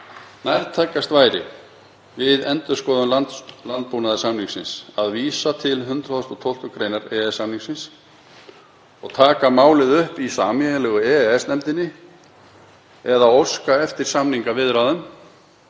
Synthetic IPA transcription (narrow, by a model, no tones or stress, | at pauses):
najɾt̪ʰakːast̪vaːjɾɪ̰ | vɪðɛnt̪ʏ̥skɔːðʏmlanlant̪̚punaðɪsamniŋsɪnsaðviːsat̪ʰɪlɦʏnt̪ɾaðɔst̪ɔt̪ʰowl̥t̪ʏkɾejnaɾɛɛsamniŋksɪns | ɔɣt̪ʰaːkamaːwlɪðʏhpisaːmɛlɛːɣʏɛːɛsnɛmt̪ɪnːɪ | ɛðaowskaɛft̪ɪɾ̥samniŋkavɪðʏɾawðʏm